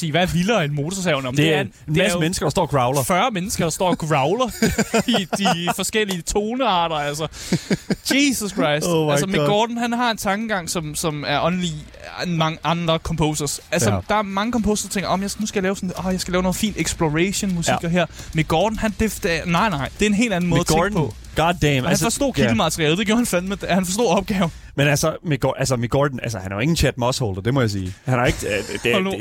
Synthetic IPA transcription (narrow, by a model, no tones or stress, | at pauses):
sḭːʋælilɐenmo̝ːt͡sʰɒs̬ɛʊnəɒ̽mde̥eænneæomenəsɡ̥ɐd̥ɑsd̥ɒ̰ːɡ̥ʁɑ̈ʊlɐfɶːɐmenəsɡ̥ɐd̥ɑ̈sd̥ɒ̰ːɡ̥ʁɑ̈ʊlɐid̥ifɒ̽sɡ̥el̰iət͡sʰo̝ːnəɑ̰̈ːɾ̥ɐælsɐ̥ | jesuskʰʁɑ̈ɪ̰sd̥ælssəmeɡ̥ɒːd̥n̩ɦænɦɑ̈e̝nt͡sʰɑ̈ŋɡ̥əɡ̥ɑ̈ŋ̰sɒ̽msɒ̽mæɐʔɒ̽nəli | mɑ̈ŋəʔɑ̈nd̥ʁɐkʰɒ̽mpʰoʊsɐsælsəd̥ɑ̈æɐmɑ̈ŋəkʰɒ̽mpʰo̝ʊsɐd̥ɑt͡sʰeŋɡɐʔɒ̽mjɑ̈nusɡ̥æjɑ̈lɛːʊsɒ̽nʔɒjɑ̈ɪsɡ̥ælɛːʊno̝ːð̩fḭːnd̥eɡ̥sb̥loʁeɕo̝nmusiɡ̥ɐɦeɐ̰meɡ̥ɒːd̥n̩hænd̥ed̥nɑ̈ɪnɑ̈ɪ̰d̥e̝ɐe̝nɦe̝̰ːld̥æn̩mɔːðˠɐt͡sʰepʰɔ̽ | ɡ̥ɑdɛmhæænsfɒsd̥o̰ːkʰid̥ləmæt͡sʰɐʁiɛːld̥e̝ɡjo̝ɐhænfænmehænfɒ̽s̬d̥o̝̰ɐɒ̽b̥̚ɡ̥ɛːʊ | menælsəmeɡ̥ʔæls̬əmiɡ̥ɒ̰d̥n̩ælsəhænæjoe̝ŋn̩t͡ɕʰæd̥mɒshold̥ɐd̥e̝mɒjäs̬ḭːhænhɑ̈eɡ̥ə̥